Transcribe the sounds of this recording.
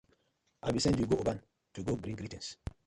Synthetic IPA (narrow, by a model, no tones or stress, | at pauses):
ʔabisɛ̃ndwiɡoobãn | tuɡoɡɾĩŋɡɾitɛ̃ns